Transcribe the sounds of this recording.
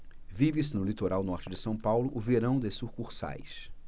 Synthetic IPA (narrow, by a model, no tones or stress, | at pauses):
vivɪs̬ɪnʊlit̪oɾawnɔɾt͡ʃɪd͡ʒɪsɐ̃w̃pawlʊʔʊveɾɐ̃w̃d̪esuχkuχsa̰js